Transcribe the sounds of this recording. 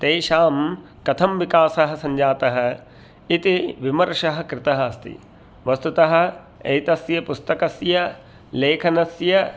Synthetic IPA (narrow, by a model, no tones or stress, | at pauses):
t̪eːʃaːm | kɐt̪ʰɐmʋikaːsɐɦɐ̆sɐɲd͡ʒaːt̪ɐɦɐ̆ | it̪iʋimɐɾʂɐɦɐ̆kɾɪt̪ɐɦɐɐst̪ḭ | ʋɐst̪ut̪ɐɦɐ̆ | ɐ̰jt̪ɐsjɐpust̪ɐkɐsjɐ | leːkʰɐnɐsjɐ